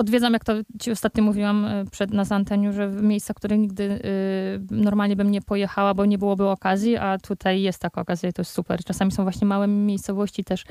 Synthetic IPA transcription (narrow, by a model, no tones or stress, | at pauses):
ɔd̪vʲjed̪zamjakt̪ɔt͡ɕiɔst̪at̪ɲɔmuvʲiwampʂɛd̪nazaant̪ɛɲuʐɛvmʲjejst̪sakt̪uɾɘxɲiɡ̚d̪ɘ | nɔɾmalɲɛbɘmɲɛpɔjɛxawabɔɲɛbɘwɔbɘɔkazʲjiʔat̪ʰut̪ʰajːɛst̪ːakaɔkazʲjait̪ɔjɛst̪supɛ̰ɾt͡ʂasamʲisɔ̃w̃vwaɕɲɛmawɛmʲjejst̪sɔvɔɕt͡ɕit̪ɛʂ